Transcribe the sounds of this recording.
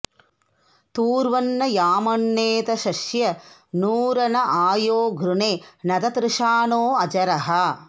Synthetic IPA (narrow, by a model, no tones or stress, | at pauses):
t̪uːɾʋɐnːɐjaːmɐɳːeːt̪ɐʃɐʃjɐnuːɾɐnɐʔaːjoːɡʱɾuɳeːnɐd̪ɐt̪ɾɪʂaːnoːɐd͡ʒɐɾɐɦɐ